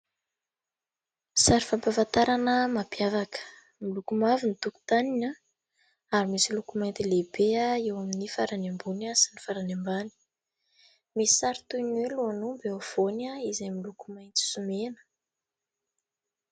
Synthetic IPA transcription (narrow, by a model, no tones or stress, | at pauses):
saɾifampavant̪aɾanəmapiavakə̥ | milukumavinit̪uku̥t̪anina | aɾimisilukumajnt̪ilebeaewaminifaɾanembunasinifaɾanembani̥ | misi̥saɾit̪unweluanumbeav̥onaizajmilukumajnt͡si̥sumenə̥